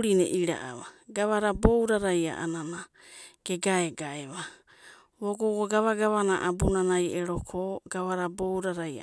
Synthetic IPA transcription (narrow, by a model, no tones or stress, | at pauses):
ɾinḛʔiɾa̰ʔa̰βaɡaβaɾabowɾaɾaja̰ʔa̰nana | ɡ̥e̞ɡaeɡaeβa | βoɡoɡoɡaβaɡaβanaʔabunanajeɾokʰoɡ̥aβaɾabowɾaɾaja̰